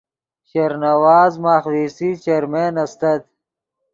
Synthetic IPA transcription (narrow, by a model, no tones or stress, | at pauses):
ɕɐɾnɐwaːzmaːxwiːsit͡ʃeɾmeːnɐst̪ɐd̪̚